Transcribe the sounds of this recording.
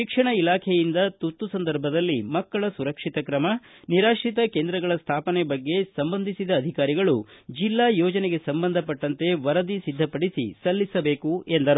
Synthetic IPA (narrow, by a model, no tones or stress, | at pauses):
ʃikʂɐɳɐilaːkʰejind̪ɐt̪ut̪ːusɐnd̪ɐɾbʱɐd̪ɐlːimɐkːɐɭɐsuɾɐkʂit̪ɐkɾɐmɐ | niɾaːʂit̪̬ɐkeːnd̪ɾɐɡɐɭɐst̪ʰaːpɐnebɐɡːe̞sɐmbɐnd̪ʱisid̪ɐːd̪ʱikaːɾiɡɐɭud͡ʒilːaːjɔːd͡ʒɐneɡe̞sɐmbɐnd̪ʱɐpɐʈːɐnt̪e̞ʋɐɾɐd̪isid̪ʱːɐpɐɽisḭsɐlːisɐbe̞ːkuend̪ɐɾ